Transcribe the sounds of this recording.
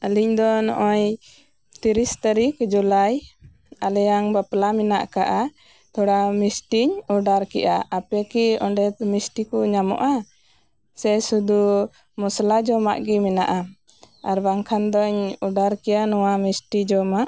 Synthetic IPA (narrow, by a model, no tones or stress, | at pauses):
əliɲd̪ɔnɔ̰ʔɔɲ | t̪iɾist̪aɾikd͡ʒulaj | alɛjaŋbaplamɛna̰ʔka̰ʔa | t̪ɔɽamisʈiɲɔɖaɾkɛʔaapɛkiɔɳɖɛmisʈikɔɲamɔ̰ʔa | sɛsud̪u | mɔslad͡ʒɔma̰ʔɡimɛnaʔa | aɾbaŋkʰand̪ɔɲɔɖaɾkɛjanɔwamisʈid͡ʒɔmaʔ